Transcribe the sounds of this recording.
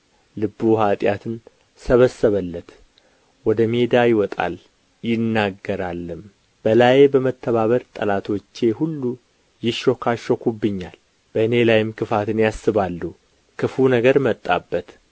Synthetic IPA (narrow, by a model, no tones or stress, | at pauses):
lɨbːuɦat̪ʼjat̪ʰɨn | səβəsːəβəlːət̪ | wɔd̪əme̞d̪ajɪwɔt̪ʼa̰l | jɪnːaɡːəɾalːɨm | b̥əlajbəmət̪ʰːəβaβəɾt̪ʼəlat̪ʰo̞t͡ʃːe̞hulːu | jɪʃo̞kʰaʃokʰubːɨɲːal | b̥əɨne̞lajɪmkʰɨfat̪ʰɨnjasːɨβalːu | kʰɨfunəɡəɾmət̪ʼːa̰bːət̪